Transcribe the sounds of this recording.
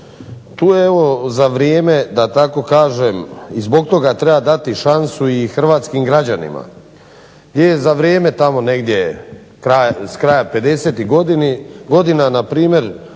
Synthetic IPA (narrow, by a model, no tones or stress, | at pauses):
t̪uːjeeʋo̞zaʋɾjeːme̞d̪at̪ako̞kaːʒemizbo̞ɡ̚t̪o̞ɡat̪ɾe̞bad̪at̪iʃansuixr̩ʋaːt̪skimɡɾad͡ʑanḭma̰ | ɡd̪jejezaʋɾjeːme̞t̪amo̞ne̞ɡd̪je̞ | kɾaskɾajape̞d̪e̞seːt̪iɡod̪inɡo̞d̪inanapɾiːmje̞ɾ